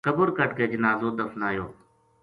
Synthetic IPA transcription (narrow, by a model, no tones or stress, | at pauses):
kəbʊɾkəʈkeːd͡ʒənaːzoːd̪əfnaːjoː